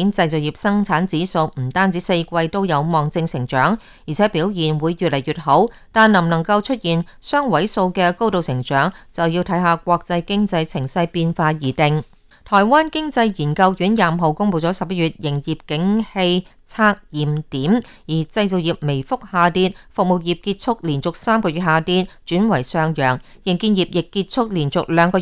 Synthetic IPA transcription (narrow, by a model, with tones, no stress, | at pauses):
i˨˥nt͡sɐ˧jt͡so˨wjiː˨p̚sɐ˥ŋt͡sʰaː˨˥nt͡siː˨˥so˧wm̩˨˩t̪aː˥nt͡siː˨˥se˧jkʷɐ˧jt̪o˥wjɐ˨˧wmɔː˨ŋt͡sɪ˧ŋsɪ˨˩ŋt͡ʃœː˨˥ŋ | ji˨˩t͡sʰɛː˨˥piː˨˥wjiː˨˩nwuː˨˧jːyː˨t̚lɐ˨˩jɥyː˨t̚ho˨˥wt̪aː˨nɐ˨˩mnɐ˨˩ŋkɐ˧wt͡ʃʰɵ˥t̚jiː˨nsœː˥ŋwɐ˨˥jso˧wkɛː˧ko˥wt̪o˨wsɪ˨˩ŋt͡ʃœː˨˥ŋt͡sɐ˨wji˧wt̪ʰɐ˨˥jɦaː˨k̚ʷɔː˧k̚t͡sɐ˧jkɪ˥ŋt͡sɐ˧jt͡sʰɪ˨˩ŋsɐ˧jpiː˧nfaː˧jiː˨˩t̪ɪ˨ŋ | t̪ʰɔː˨˩jwaː˥nkɪ˥ŋt͡sɐ˧jjiː˨˩nkɐ˧wjyː˨˥njaː˨˧m˨ɦo˨wkʊ˥ŋpo˧wt͡sɔː˨˥sɐ˨p̚jɐ˥t̚jyː˨t̚jɪ˨˩ŋjiː˨˩p̚kɪ˨˥ŋhe˧j | t͡sʰaː˧k̚jiː˨˩mt̪iː˨˥m | jiː˨˩t͡sɐ˧jt͡so˨wjiː˨˩p̚me˨˩jfʊ˥k̚haː˨˧t̪iː˧˥n̚fʊ˨k̚mo˨˩k̚jiː˨p̚kiː˧t̚t͡sʰʊ˥k̚liː˨˩nt͡sʊ˨k̚saː˥mkɔː˧ɥy˨t̚haː˨˧t̪iː˧˥nt͡ʃyː˨˥nwɐ˨˩jsœː˧ŋjœː˨˩ŋjɪ˨˩ŋkiː˧njiː˨˩p̚jɪ˨kːiː˧t̚t͡sʰʊ˥k̚liː˨˩nt͡sʊ˨k̚lœː˨˧ŋkɔː˧